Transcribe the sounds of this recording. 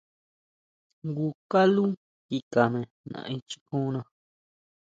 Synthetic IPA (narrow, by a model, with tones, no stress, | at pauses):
ŋɡu˧ka˦lu˦ | ki˧ka˨mẽ˨ | nã̰˧ʔĩ˧t͡ʃi̥˧kũ˦nã˧